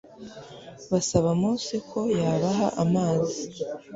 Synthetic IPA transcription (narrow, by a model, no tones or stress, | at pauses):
βasaβamuːsekʰo̞jaːβaɦaʔamaːzi